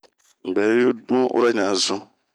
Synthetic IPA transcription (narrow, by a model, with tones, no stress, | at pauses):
ŋ͡m̩˨ɡ͡bɛ˨˦u˦dũ˦ʔṵ˦ɾa˦na˨zʊ̃˦